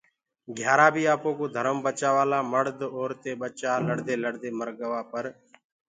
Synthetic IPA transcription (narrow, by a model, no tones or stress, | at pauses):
ɡʱjaːɾaːbʱiːaːpõːkoːd̪ʱəɾəmbət͡ʃaːʋaːlaːməɽd̪oːɾt̪eːɓət͡ʃaːləɽd̪eːləɽd̪eːməɾɠəʋaːpəɾ